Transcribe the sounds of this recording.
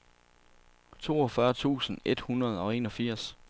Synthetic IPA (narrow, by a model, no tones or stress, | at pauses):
t͡sʰo̝̰ːɒ̽fɶɐt͡sʰṵːsən̩e̝d̥hunɐð̞̩ˠɒ̽e̝̰ːnɒ̽fiɐ̰s